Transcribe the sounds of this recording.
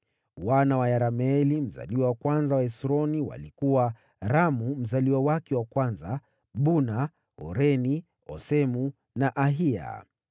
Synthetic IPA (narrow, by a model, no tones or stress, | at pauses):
wanawajaɾamɛlim̩za̰liwawakwanzawaɛsɾɔniwa̰likuwa | ɾamum̩zaliwawakɛwakwanza | ɓuna | ɔ̰ɾɛni | ɔ̰sɛmu | naʔaɦia̰